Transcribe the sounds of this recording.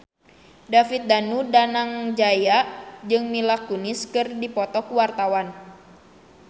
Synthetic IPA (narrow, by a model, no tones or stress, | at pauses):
dafit̪̚danudanaŋd͡ʒajaʔd͡ʒɨŋmilakuniskɨrdipɔt̪ɔkuwart̪awan